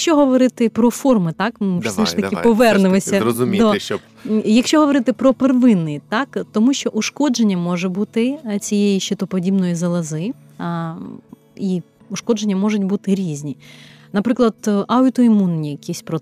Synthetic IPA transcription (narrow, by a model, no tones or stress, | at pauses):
ɐkʃt͡ʃɔɦɔʋɔɾɪt̪ɪpɾɔfɔrmɪt̪ɑkmsɛʃt̪ɐkɪpɔʋɛrnʊlˠɐsʲɐzʊmʲd̪ot͡ʃɔ | jɐkʃʲt͡ʃɔɦɔʋɔɾɪt̪ɪpɾɔperʋɪnːɪjt̪ɑkt̪ɔmuʃt͡ʃɔʔuʃkɔd͡ʒenʲːɐmɔʒɛbut̪ɪt͡sʲijejiʃt͡ʃɪt̪ɔpɔdʲibnɔjizɐlˠɐzɪ | i | uʃkɔd͡ʒenʲːɐmɔʒʊtʲbut̪ɪɾʲizʲnʲi | nɐpɾɪklˠɐd̪̥ʔɐʊt̪ɔimunːʲijɐkʲisʲpɾɔ